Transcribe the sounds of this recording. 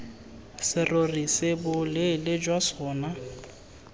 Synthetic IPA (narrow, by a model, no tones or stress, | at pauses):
sɪrorisɪbʊlɪlɪd͡ʒwasɔːna